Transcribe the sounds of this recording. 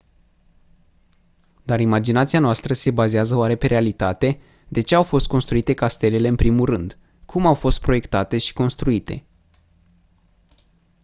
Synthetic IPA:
d̪aɾimad͡ʒinat̪sianoast̪ɾəse̞bazeazəoaɾe̞pe̞ɾʔealit̪at̪e̞ | d̪e̞t͡ʃe̞awfo̞st̪̚ko̞nst̪ɾuit̪e̞kast̪e̞le̞le̞ɨnpɾimulrɨnd̪ | kʰumawfo̞st̪̚pɾo̞je̞kt̪at̪e̞ʃi̥ko̞nst̪ɾuit̪e̞̰

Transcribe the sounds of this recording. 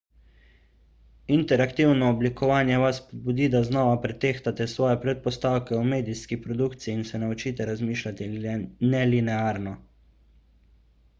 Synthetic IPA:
int̪ɛɾakt̪iwnɔːblikɔʋaːnjɛʋaspɔd̪̚bud̪id̪aznɔːʋapɾɛt̪eːxt̪at̪ɛsʋɔːjɛpɾɛt̪̚pɔst̪aːwkɛumeːd̪iskipɾɔd̪ukt̪siːnsɛnaut͡ʃiːt̪ɛɾazmiːʃlat̪inɛlinɛaːɾnɔ

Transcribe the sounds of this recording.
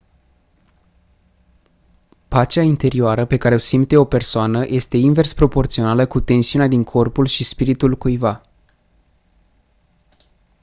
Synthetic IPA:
pat͡ʃeaint̪e̞ɾioaɾəpe̞kaɾe̞o̞simt̪e̞o̞pe̞rsoanəjʔe̞st̪e̞inve̞rspɾo̞po̞rt̪sio̞naləkut̪e̞nsiunead̪iŋkʰo̞rpulʃispiɾit̪ulkujva

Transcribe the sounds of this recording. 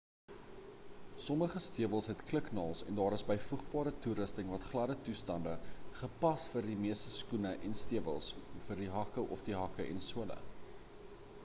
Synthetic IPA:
sɔməχəstiəvəlˠsɦɛtkləknɑːlˠsɛ̰ndɑːɾəsbəjfuχbɑːɾətuɾəstəŋvɐtχlɐdətustɐndəχəpɐsfərdimiəstəskunəʔɛnstiəvəlˠsfərdiɦɐkəʔɔfdiɦɐkəʔɛ̰nsuələ̰

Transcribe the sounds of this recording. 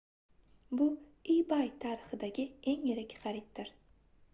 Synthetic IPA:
bʊijbajt̪ʰaɾɪχɪd̪aɡʲɪe̞ŋjɪɾɪkʲχɑɾɪt̪̚d̪ɪɾ

